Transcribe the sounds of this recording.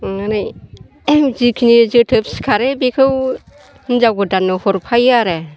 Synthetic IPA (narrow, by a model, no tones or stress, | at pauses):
ŋanaj | zikʰinizɯtʰɯp̚si̥kʰaɾebekʰɯw | nzawɡɯdanːɔhɔɾpʰajaɾe